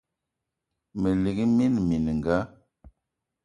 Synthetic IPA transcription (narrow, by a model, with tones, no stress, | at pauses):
mə˨li˨ɡi˦mi˦nmi˨n˨ŋɡa˨˦